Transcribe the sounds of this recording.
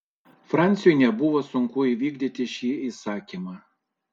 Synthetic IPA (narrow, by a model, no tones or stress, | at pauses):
fɾɑˑnʲt̪sʲɪjɔjnʲɛbʊʋoːsʊŋkʊiʋʲiːɡd̪ʲit̪ʲɪʃʲiːisɑːkʲiːmɑː